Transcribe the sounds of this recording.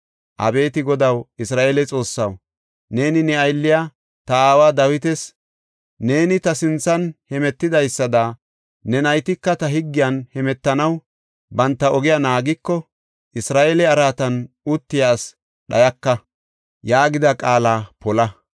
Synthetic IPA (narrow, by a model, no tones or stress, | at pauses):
ʔɐ̰be̞ːt̪ɪɡɔd̪ɐwɪsɾaːʔelɛt͡sʼo̞ːsːɐw | ne̞ːnɪnɛɐjlːɪja | t̪ɐaːwaːd̪ɐwɪt̪ɛs | ne̞ːnɪt̪ɐsɪnt͡sːɐnhɛmɛt̪ːɪd̪ɐjsːɐd̪a | nɛnɐjt̪ɪkːɐt̪ɐɦɪɡːɪjɐnhɛmɛt̪ːɐnɐw | bɐnt̪ːɐɔɡɪjɐnaːɡɪkːɔ | ʔɪsɾaːʔelɛɐɾaːt̪ɐn | ʊt̪ːɪjaːs | ɗɐjɐkːɐ | jaːɡɪd̪ɐkʼaːlaːpɔlɐ